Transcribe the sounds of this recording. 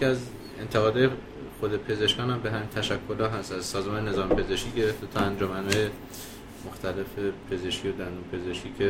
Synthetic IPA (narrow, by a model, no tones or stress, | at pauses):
jeiæz | e̞̰nt̪ʰeɣɒːd̪ɒːje | xod̪e̞pʰe̞ze̞ʃkɒːnhæmbeɦæmiːnt̪ʰæʃækʰːolɒːɦæst̪æzsɒːzemɒːnene̞zɒːmpʰe̞ze̞ʃkʲiːɟe̞ɾeft̪et̪ʰɒːænd͡ʒomænɒːje | moxt̪æle̞fepʰe̞zeʃkʰijod̪ænd̪uːmpʰe̞zeʃkʰʲiːcʰe